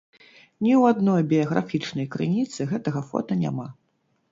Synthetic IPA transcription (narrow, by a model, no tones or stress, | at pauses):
nʲiwad̪nɔjbʲiɐɣɾa̰fʲit͡ʂnɐjkɾɨnʲit̪sɨɣɛt̪ɐɣɐfɔ̰t̪ɐnʲa̰ma